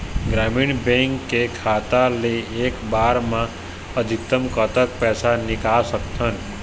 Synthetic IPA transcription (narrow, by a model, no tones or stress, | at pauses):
ɡɾamiːnbɛ̃ŋkːekʰat̪aleeːkbaːɾmã | əd̪ʱikt̪əmkət̪ək̚pɛːsanɪkasəkt̪ʰən